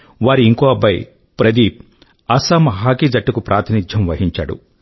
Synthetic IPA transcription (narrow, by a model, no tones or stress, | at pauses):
ʋaːɾiːŋkoːɐbːɐj | pɾɐd̪iːp | ɐsamɐɦaːkiːd͡ʒɐʈːukupɾʔaːt̪inid͡ʒ̪ʱjɐmʋɐɦiɲt͡ʃa̰ːɽṵ